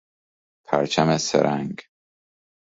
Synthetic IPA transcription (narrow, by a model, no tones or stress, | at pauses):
pʰæ̰ɾt͡ʃʰæmesḛɾʔæŋɡ